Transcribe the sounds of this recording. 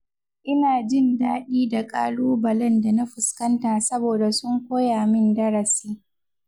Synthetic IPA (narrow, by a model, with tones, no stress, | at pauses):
ʔɪ˦naː˨d͡ʒɪ˦˨ndaː˦ɗiː˦da˨kʼa̰ː˦luː˦bɐ˨lɛ˦nda˨na˦ɸʊ˨skɐ˦ntaː˨sɐ˦boː˨da˨sʊ˦ŋkʷoː˦jaː˨mɪ˦ndɐ˦ɾɐ˨siː˦